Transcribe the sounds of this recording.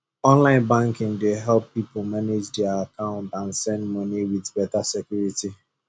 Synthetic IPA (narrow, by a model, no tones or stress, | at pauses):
ɔ̃nlãɪ̃nbãŋkɪ̃ŋdeɦɛlpːipʊmaned͡ʒdɛaakãʊ̃ntãn̩sɛ̃ndmɔniwiðbɛtasɛkjuɾiti